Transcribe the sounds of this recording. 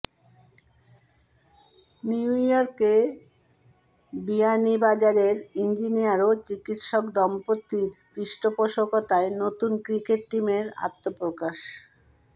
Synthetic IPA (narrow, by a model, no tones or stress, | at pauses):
niujɔɾke | bianibad͡ʑaɾeɾind͡ʑinijaɾot͡ɕikit̪ʃɔkd̪ɔmpot̪ːiɾpɾiʃʈopoʃokot̪aenot̪unkɾikeʈ̚ʈimeɾa̰t̪ːopɾokaʃ